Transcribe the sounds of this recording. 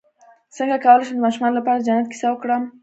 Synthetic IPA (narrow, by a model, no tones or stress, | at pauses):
səŋɡakawəlajʃəmd̪əmɑʃumɑnolapɑɾad͡ʒanat̪̚ki̥sawəkɽəm